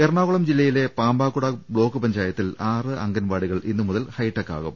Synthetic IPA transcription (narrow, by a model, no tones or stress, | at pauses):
erɳaːɣuɭɐmd͡ʑilːɐjile̞paːmbaːkːuɽɐbɭo̞ːkːɨpɐɲd͡ʑaːjɐt̪ːilaːrɨʔɐŋɡɐnʋaːɽiɣɐɭinːɨmuðɐlhɐjʈːɐkːa̰ːɣum